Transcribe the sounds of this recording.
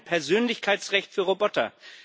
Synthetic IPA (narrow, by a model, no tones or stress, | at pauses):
npʰɛɐzøːnlɪçkʰaɪt͡sʁɛçtfyːɐʁobɔtɐ̰